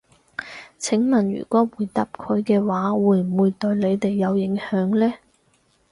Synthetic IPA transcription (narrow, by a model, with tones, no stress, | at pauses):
t͡sʰɪ˨˥ŋmɐ˨˩njy̰ː˨˩kʷɔː˨˥wuː˨˧jt̪ɐ˨˥p̚kʰɵ˨˧ɥkɛː˧waː˨˥wuː˨˧jm̩˨˩wuː˨˧jt̪ɵ˧ɥle˨˧jt̪e˨jːɐ˨˧wjɪ˨˥ŋhœː˨˥ŋlɛː˥